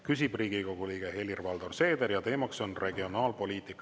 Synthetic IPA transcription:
kysʲib̥riːɡ̥iko̞ɡ̥uliːɡ̥ehe̞lirvɑld̪orse̞ːd̪e̞ɾjɑt̪e̞ːmɑkso̞nre̞ɡio̞nɑːlpo̞lʲiːt̪ikːˑ

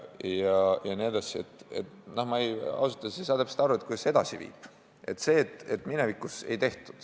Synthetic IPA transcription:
jɑjɑneed̪ɑsʲiet̪ˑːe̞̰t̪nohmɑejɑ̰wsut̪ːˑɑsiesɑːt̪æpset̪ɑɾuet̪ku̥se̞d̪̥ɑsivḭːb̥ | ʔe̞̰t̪se̞ːt̪ˑet̪ːminevikuse̞̰jt̪e̞ht̪u̥d̪̥

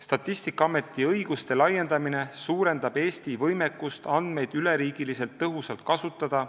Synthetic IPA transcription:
st̪ɑt̪ːˑist̪ikˑːɑɑme̞t̪ːˑiɤjɡ̥ust̪e̞lɑjːe̞nd̪ɑmine̞suːɾe̞nd̪̥ɑbe̞ːst̪ivɤjmekːˑust̪ɑnd̪̥me̞jd̪yleɾiːɡ̥ilise̞lt̪ːɤɦusɑlt̪̚kɑsut̪ːˑɑd̪̥ɑ

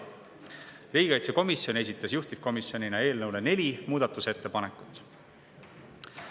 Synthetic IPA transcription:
riːɡi̥ɡɑjt̪seko̞misjo̞ne̞s̬ʲit̪ːˑɑsjuht̪ip̚ko̞misjo̞nʲinɑe̞ːlnɤwlene̞lʲimuːd̪̥ɑt̪ːˑuse̞t̪ːe̞pɑnekːˑut̪ːˑ

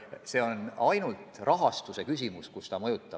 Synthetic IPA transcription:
se̞ːo̞nɑjnult̪rɑɦɑst̪use̞kysʲimuskust̪ɑmɤjut̪ːˑɑ

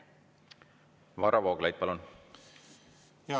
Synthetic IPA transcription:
vɑɾɑvoːɡlɑjd̪̚pɑlun

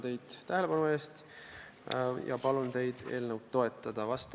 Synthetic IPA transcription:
t̪e̞jd̪̥æhe̞le̞b̥ɑnue̞ːst̪ | jɑ̰pɑlunt̪e̞jd̪̥e̞ːlnəwd̪t̪ːo̞e̞t̪ːˑɑd̪̥ɑvɑst̪

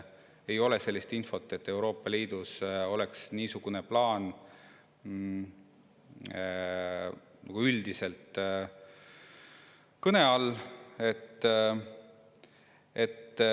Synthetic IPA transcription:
e̞jo̞le̞se̞lːist̪info̞t̪ːˑe̞t̪ːe̞wɾo̞ːpːˑɑliːd̪̥uso̞le̞ksniːsuɡ̥uneplɑːn | nʔɑɡ̥uyld̪ise̞lt̪ | kɤne̞ɑle̞t̪ː | e̞t̪ː

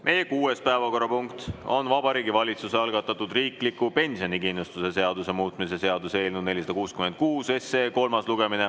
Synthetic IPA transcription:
me̞jekuːe̞spæevɑko̞rːɑpuŋkt̪o̞̰nvɑbɑɾiːɡivɑlʲit̪suseɑlɡɑt̪ːˑɑt̪ːˑud̪̥riːklikːupe̞nʲsio̞nikinlust̪use̞se̞ɑd̪use̞muːt̪ˑmise̞se̞ɑd̪use̞ːlʲnud̪ne̞lʲis̬ɑd̪ɑkuːskyme̞nd̪̚kuːse̞seːko̞lmɑsluɡe̞mine̞

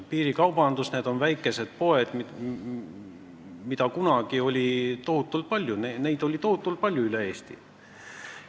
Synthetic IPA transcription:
piːɾikɑwbɑnd̪̥usne̞ːd̪̥o̞nvæjkːˑe̞se̞d̪̥̚po̞e̞d̪̥mi | mid̪̥ɑkunɑɡ̥io̞lʲit̪o̞ɦut̪ːˑult̪̚pɑlʲjunene̞jd̪̥o̞lʲit̪o̞hut̪ːˑult̪̚pɑlʲːjuylee̞ːst̪ḭ

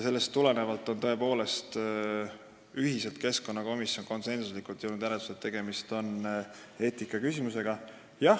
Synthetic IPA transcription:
jɑse̞lːe̞st̪ːule̞ne̞vɑlt̪ːˑo̞nt̪o̞e̞po̞ːle̞st̪ | yɦise̞lt̪̚ke̞sko̞nːɑko̞misjo̞nko̞nse̞nsuslikˑult̪jɤwnud̪jæɾet̪u̥set̪ːe̞ɡ̥e̞mist̪o̞n | e̞ːt̪ikːˑɑkysimuse̞ɡ̥ɑ | jɑ

